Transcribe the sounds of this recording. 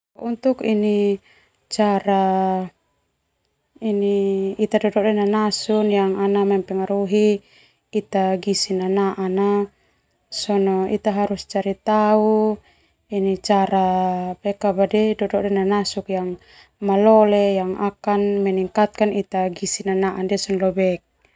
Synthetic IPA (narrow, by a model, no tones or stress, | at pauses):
ɔʔunt̪ukini | t͡ʃaɾa | iniit̪adɔdɔʔdɛnanasunjaŋanamɛmpɛŋaɾuɦiː | t̪aɡisinanaʔana | sɔnɔit̪aɦaɾust͡ʃaɾit̪au | init͡ʃaɾapɛkabadɛdɔdɔʔdɛnanasukjaŋ | malɔlɛjaŋakanmɛniŋkat̪̚kanit̪aɡisinanaʔandiasɔnlɔbɛk̚